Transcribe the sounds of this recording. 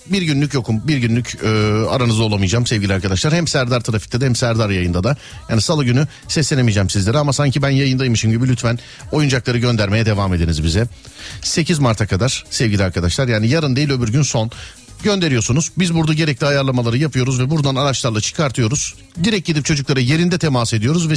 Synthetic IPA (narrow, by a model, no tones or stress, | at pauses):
biɾɟynlʲycjo̞kʰumbiɾɟynlʲycʰyːa̰ɾanɯzd̪alˠamɯjd͡ʒaːmsɛvɟʲilʲiaɾkʰad̪aʃlˠaɾhɛmsæɾd̪aɾt̪ʰɯɾafic̚t̪ɛd̪ahɛmsæɾd̪aɾjajɯnd̪ad̪a | jaːnisalˠaɟyny | sɛsːʲenemijd͡ʒɛmsizlʲe̞ɾɛamasaɲcʰibænjajɯnd̪ajmɯʃɯmɟibilʲyt̪ʰfæn | o̞jund͡ʒaklˠaɾɯɟø̞nd̪æɾme̞jɛd̪e̞vaːme̞d̪enizbizɛ | se̞cʰizmaɾt̪ʰakʰad̪aɾ̥sɛvɟʲilʲiaɾkʰad̪aʃlˠaɾjaːnijaɾɯnd̪e̞jilʲøbyɾɟynso̞n | ɟø̞nd̪e̞ɾijo̞sunuzbizbuɾd̪aɟe̞ɾɛclʲiajaɾlˠamalˠaɾɯjapʰɯjo̞ɾuzvɛbuɾd̪anaɾat͡ʃlˠaɾlˠat͡ʃʰɯ̥kʰaɾt̪ʰɯjo̞ɾuz̥ | d̪iɾɛc̚ɟid̪ip̚t͡ʃʰo̞d͡ʒuklˠaɾɯje̞ɾind̪ɛt̪ʰe̞mase̞d̪ijo̞ɾuzvɛ